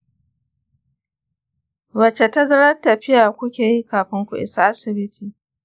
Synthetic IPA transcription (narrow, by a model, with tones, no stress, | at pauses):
wɐ˨t͡ʃe˨ta˦zɐ˦ɽɐ˦rtːɐ˨ɸɪ˦jaː˨kʷʊ˦kʲeː˨ji˦kaː˨ɸɪ˦ŋkʷṵ˨ʔɪ̰˦sa˨ʔa˦sɪ˨bɪ˦tʰiː˨